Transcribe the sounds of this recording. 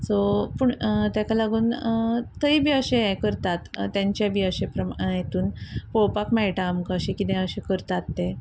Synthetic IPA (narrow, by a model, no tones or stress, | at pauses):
sopuɳt̪jakalaɡuːnt̪əibʱiːəɕẽekəɾt̪at̪ːjãɲt͡ɕjabʱiːəɕẽpɾəmãjet̪uːnpowpakmaiʈaːmkaəɕẽkit̪ẽəɕekəɾt̪at̪ːe